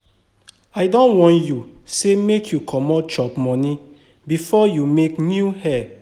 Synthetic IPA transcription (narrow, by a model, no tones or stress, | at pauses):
aɪdɔ̃nwɔ̃njusemekʰjukʰɔmɔt͡ʃɔpmɔ̃nĩ | bifɔjumeknjuhɛ